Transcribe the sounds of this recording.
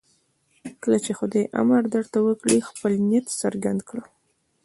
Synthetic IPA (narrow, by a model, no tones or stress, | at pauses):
kəlat͡ʃexʊd̪ajʔa̰maɾd̪aɽt̪awəkɽixpəlnet̪səɾɡand̪kɽə